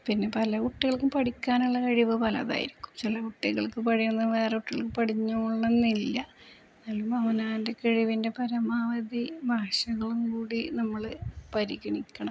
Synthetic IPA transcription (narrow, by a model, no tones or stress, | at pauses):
pinːe̞pɐlɐkuʈːiɣɐɭkːumpɐʈikʲːaːnuɭːɐkɐɻiʋɨpɐlɐ̰ða̰ːjḭɾikʲːu̥mt͡ɕilɐkuʈːiɣɐɭkːɨpɐɽijunːɐʋe̞ːrekuʈːiɣɐɭkːɨpɐʈiɲːuɭːɐnːilːɐ | nalːumɐʋɐnaːndekeɻiʋinde̞pɐɾɐmaːʋɐd̪ibʱaːɕɐɣɐɭumkuːɽinɐmːɐɭpɐɾiɣɐɳikʲːɐɳɐm